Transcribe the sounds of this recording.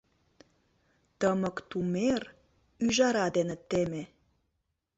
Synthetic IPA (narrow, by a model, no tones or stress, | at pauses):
t̪əmə̆kt̪umer | yʒɑɾɑd̪enə̆t̪ːeme